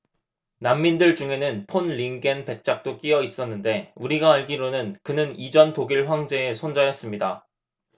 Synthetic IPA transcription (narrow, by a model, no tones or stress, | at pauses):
namːindɯɭd͡ʑuŋe̞nɯnpʰonɭiŋɡe̞npe̞k̚t͡ɕ͈ak̚t͈ok͈iʌis͈ʌnːɯnde̞uɾiɡaːɭɡiɾonɯnkɯnɯnid͡ʑʌntoɡiɭɸwaŋd͡ʑe̞ːsʰond͡ʑajʌs͈ɯmɲida